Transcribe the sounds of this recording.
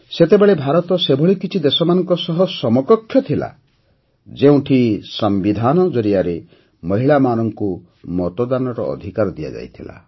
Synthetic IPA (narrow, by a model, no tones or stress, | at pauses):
set̪ebeɭebʱaɾɔt̪ɔsebʱɔɭikit͡ʃʰid̪esɔmanɔŋkɔsɔɦɔsɔmɔkɔkʰːjɔt̪ʰila̰ | d͡ʒeũʈʰisɔmbid̪ʱanɔd͡ʒɔɾiaɾe | mɔɦiɭamanɔŋku | mɔt̪ɔd̪anɔɾɔ̰ːd̪ʱikaɾɔd̪ija̰d͡ʒa̰jt̪ʰila̰